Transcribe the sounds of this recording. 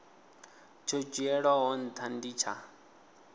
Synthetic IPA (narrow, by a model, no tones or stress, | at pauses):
t͡ʃʰɔd͡ʒɛɺɔɦɔnt̪ʰandit͡ʃʰa̰